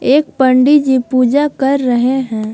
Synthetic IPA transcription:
eːk̚pə̃ɳɖid͡ʒipuːd͡ʒakɐɾːəɦeɦɛ̃ː

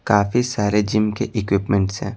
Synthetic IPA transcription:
kaːfisaːɾed͡ʒɪmkeʔɪkwɪpmẽɳʈsɦɛ̰̃ː

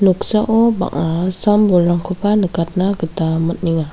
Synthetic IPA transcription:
nuksaʔoba̰ʔasambulaŋkʰupanəkat̪̚naɡət̪amət̪̚niŋa

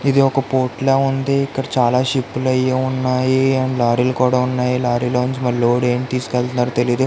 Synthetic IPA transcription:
id̪iɔkɐpoːʈleːund̪iːkːɐɽɐt͡ʃaːlaːʃipːulɐjiunːaːjiɐɳlaːɾiːlukuːɽaːunːaːjilaːɾiloːuɲt͡ʃimɐɾloːɽeːmit̪iːsu̥kɛlt̪unːaːɾut̪e̞lijɐd̪u

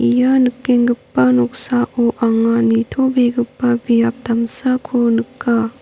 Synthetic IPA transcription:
ijanɯkːeŋɡɯpːanɔk̚saʔuʔaŋanitʰobeɡɯpːabijap̚damsakʰonɯkːa

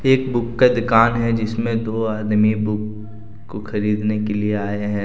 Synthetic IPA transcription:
eːkbʊkːad̪ʊkaːnɦɛd͡ʒɪsmẽd̪oːaːd̪mibʊkː | oxɐɾiːd̪nekelieaːeɦɛ̃ː

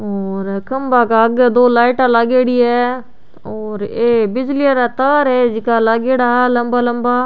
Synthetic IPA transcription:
oːɾkəmbaːkaːəɡd̪oːlaːɪʈaːlaːɡeːɽiːɛː | oːɾeːbɪd͡ʒliaːɾaːt̪aːɾɛːd͡ʒɪkaːlaːɡeːɽaːləmbaːləmbaː

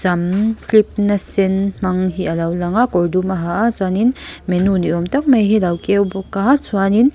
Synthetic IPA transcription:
zamklip̚nasenmaŋɦiʔalawlaŋakɔɾdumaɦaʔat͡swaninmenuniɔmtak̚majɦilawkewbɔkaat͡sʰwanin

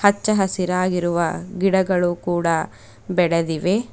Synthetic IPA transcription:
hɐt͡ʃːɐɦɐsiɾaːɡiɾuʋɐɡiɽɐɡɐɭukuːɽɐ | bɛɽed̪iʋe̞

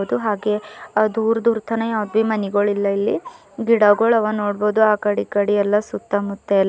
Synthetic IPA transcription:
d̪uɦaːɡe̞d̪uːɾd̪uːɾt̪ʰɐnɐjaːʋɐd̪ʋimɐniɡɐɭilːɐilːi | ɡiɽɐɡoɭɐʋɐnoːɽboːd̪uaːkɐɽikɐɽiɛlːɐsut̪ːɐmut̪ːelː

